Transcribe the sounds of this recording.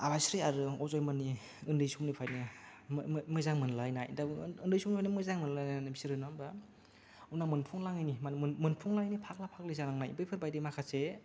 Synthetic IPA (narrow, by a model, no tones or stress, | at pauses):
abajsɾiaɾɯɔzɔjmɯni | ɯndɯjsumnipʰajnɯ | mɯzaŋmɯnlajnajdaɯndɯjsumipʰajnimɯzaŋmɯnlajnanɯbisiɾɯnamba | unamɯnpʰuŋlaŋɯjnimanmɯnpʰuŋlaŋjnipʰak̚lapʰak̚lɯzaɾaŋnajbɯjpʰɯɾbajdɯmakʰase